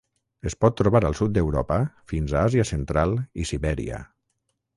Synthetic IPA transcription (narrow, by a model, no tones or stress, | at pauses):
əspɔt̪ːɾuβaɾəlˠsut̪̚d̪əwɾɔ̰pəfinzaaziəsənt̪ɾalˠisiβɛɾḭə̰